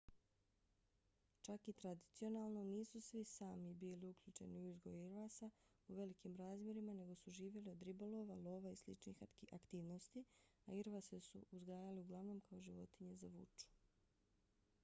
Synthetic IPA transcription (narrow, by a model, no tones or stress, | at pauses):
t͡ʃakit̪ɾad̪it̪sio̞naːlˠno̞niːsusʋisaːmibiːliukʎuːt͡ʃe̞̰niuizɡo̞juiɾʋaːsa | uʋe̞likimɾaːzmʲje̞ɾimane̞ɡo̞suʒiːʋje̞lio̞d̪ɾibolo̞ʋalˠo̞ːʋaislḭt͡ʃnḭxakt̪iːʋnost̪i | aiɾʋasesṵuzɡaːjaliuɡlˠaʋno̞ːmkao̞ʒiʋo̞t̪iɲe̞zaʋṵt͡ʃu̥